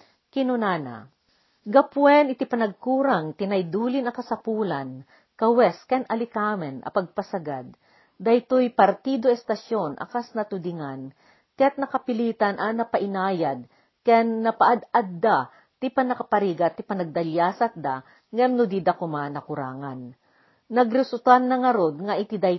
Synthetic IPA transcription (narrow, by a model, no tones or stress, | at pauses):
kɪnʊnaːna̰ | ɡɐpwɛnɪt̪ɪpɐnɐɡ̚kuːɾaŋt̪ɪnɐjd̪uːlɪnɐkɐsɐpuːlɐn | kɐwɛskɛnɐlɪkamɛnɐ̰pɐɡ̚pɐsɐɡad̪̚ː | ɐjt̪ojpɐɾt̪iːd̪oɛst̪ɐʃonʔɐ̰kasnɐt̪ʊd̪ɪŋan | kɐjat̪̚nɐkɐpɪliːt̪ɐnʔɐnɐpɐʔɪnaːjad̪̚ | kɛnːɐpɐʔad̪ad̪dːa | t̪ɪpɐnɐkɐpɐɾiɡɐt̪ːɪpɐnɐɡ̚d̪ɐljaːsɐt̪̚d̪a | ŋamnʊd̪id̪ɐkʊmanɐkʊɾa̰ːŋɐnː | ɐɡɾɪsʊt̪anːɐŋɐɾod̪̚ŋɐʔɪt̪ɪd̪aj